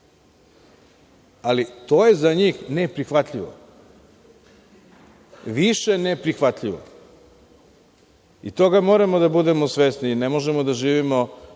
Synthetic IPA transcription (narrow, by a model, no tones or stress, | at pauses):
alit̪oje̞zaɲiːxnepɾixʋat̪ʎiʋo̰ | ʋiʃenepɾixʋat̪ʎiʋo̰ | it̪o̞ɡamoːɾamod̪abud̪e̞mosʋesninemoʒemod̪aʒiːʋimo